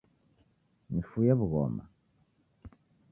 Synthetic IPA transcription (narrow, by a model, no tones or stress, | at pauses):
mifujaβuɣɔ̰ma̰